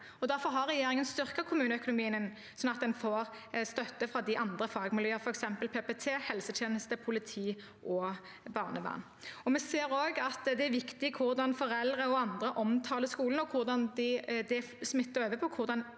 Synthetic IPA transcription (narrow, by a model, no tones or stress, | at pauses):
ɔd̪æɾfɔɾɦɑʁːɛjeːɾɪŋənst̪ʏʁkəkʰʊmʉːnəœkʊnʊmiːənn | sɔnːɑt̪̚d̪ɛnfoːɾ | st̪œt̪ːəfʁɑd̪ɪʔɑnd̪ʁəfɑːɡmɪljœːəfɔɾɛksɛmpəlpʰeːpɛt̪ʰeːhɛlsəjeːnəst̪əpʰʊlɪt̪ʰiː | ʔɔ | bɑːʁnəʋɑ̰n | ɔmɛseːɾoːɡɑt̪d̪ɛæɾʋɪkt̪ɪkʰʊʁd̪ɑnfɔʁɛld̪ʁəɔɑnd̪ɾəʔɔmt̪ʰɑːləskuːlən̩ɔkʰʊʁd̪ɑnd̪ɪd̪ɛ | smɪt̪ːəʁøːʋəpʰɔkʰʊʁd̪ɑn